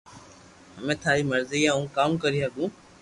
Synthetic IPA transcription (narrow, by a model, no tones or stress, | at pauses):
ɦəmẽːt̪ʰaːɾiːməɾziːjãːũːkaːmkəɾiːɦəɡũː